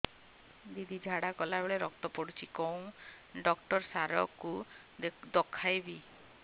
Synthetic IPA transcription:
d̪id̪id͡ʒʱaɽakɔlabeɭeɾɔk̚t̪ɔpɔɽut͡ʃʰikɔw̃ | ɖɔk̚ʈɔɾsaɾɔ̰ku | d̪ɔkʰajbi

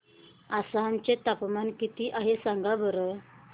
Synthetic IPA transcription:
asant͡ɕet̪apmankit̪iːʔaɦesaŋɡabəɾə

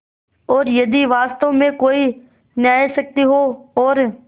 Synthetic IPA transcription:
ɔːɾjəd̪iːʋaːst̪õːmẽkoːiː | njaːesək̚t̪iːɦoːɔːɾ

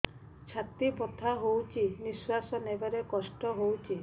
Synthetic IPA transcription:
t͡ʃʰat̪ipɔt̪ʰaɦowt͡ʃʰiniswasɔnebeɾekɔsʈɔɦowt͡ʃʰi

